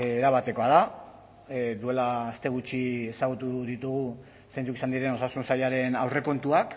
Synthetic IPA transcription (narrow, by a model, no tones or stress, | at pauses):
eɾaβat̪e̞ko̞að̞a | d̪ue̞laːst̪e̞ɣ̞ut͡ʃie̞saɣ̞ut̪uðit̪uɣ̞u | sejnt͡sukisand̪iɾe̞no̞sasunsaʎaɾe̞nawre̞ko̞nt̪uak